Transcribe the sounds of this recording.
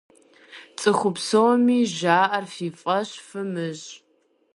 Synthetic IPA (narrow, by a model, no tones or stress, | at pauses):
t͡sʼɨχʷʊpsowmiːʒaːʔɐrfiːfʼɐɕfɨmɨʑ